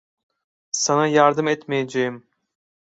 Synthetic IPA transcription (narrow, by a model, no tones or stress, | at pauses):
sanajaɾd̪ɯmɛt̪mejed͡ʒejim